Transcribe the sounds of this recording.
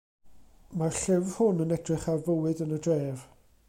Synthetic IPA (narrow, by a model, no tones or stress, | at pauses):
marɬɪvhʊnənɛdrɪχarvəwɨdənədrɛːv